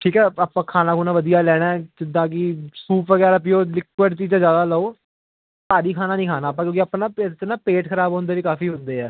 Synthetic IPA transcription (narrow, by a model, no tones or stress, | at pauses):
ʈʰiːkɛːapãːkʰaːnãːkʰoːnãːʋəd̪ijaːlɛːɽ̃aːd͡ʒɪd̪ãːk̬ɪsuːpʋəɡɛːɾap̬ioːlɪkːwəɖt͡ʃiːãːd͡ʒaːd̪aːlaoː | saːɾiːkʰaːnãːnĩːkʰaːnaːpːãːkjõːkɪəpnãːpet͡ʃnaːpeːʈkʰəɾaːbɔ̃ːnd̪eːʋiːkaːfiːɦʊ̃nd̪eːɛː